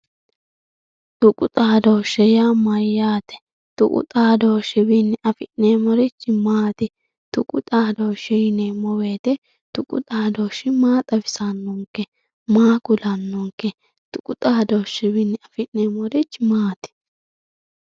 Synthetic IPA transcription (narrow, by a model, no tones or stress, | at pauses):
t̪ʊkʼʊt̪ʼaːd̪oːʃːɛjaːmɐjːaːt̪ɛ̥ | t̪ʊ̰kʼʊ̰t̪ʼaːd̪oːʃɪbɪnːɪʔɐfɪʔneːmɔɾɪt͡ʃːɪmaːt̪ɪ | t̪ʊkʼʊ̰t̪ʼaːd̪oːʃɪnemɔwe̞ːt̪ɛ | t̪ʊkʼʊ̰t̪ʼaːd̪oːʃɪmaːt̪ʼɐbɪsanːɔŋkːɛ | maːkʊlɐnːɔŋkɛ | t̪ʊkʼʊt̪ʼaːd̪oːʃːɪbɪnːɪɐfɪʔneːmɔɾɪt͡ʃːmaːt̪ɪ̥